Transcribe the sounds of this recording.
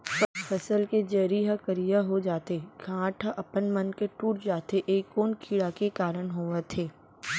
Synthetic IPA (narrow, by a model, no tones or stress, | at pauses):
fʰɐsəlked͡ʒɐɾiɦakəɾijaɦod͡ʒaːt̪eɡʰʱãːʈʰaʔɐpənmɐnkeʈuːʈd͡ʒaːt̪eʔeːkːoːnkʰiːɽakekaːɾənɦoːʋet̪ʰeː